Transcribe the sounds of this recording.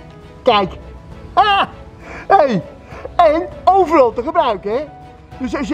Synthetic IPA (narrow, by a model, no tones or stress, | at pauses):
kɛjka | ej | ɛnowvərɑlˠtəχəbrœɥkɛ | d̥øs̬ɑs